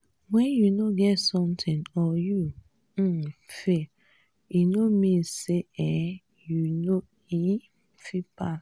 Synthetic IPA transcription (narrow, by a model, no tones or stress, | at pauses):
wɛ̃njunoɡɛtsɔ̃mtʰĩnɔju | fe | inomĩseɛ̃ | juno | i | fipas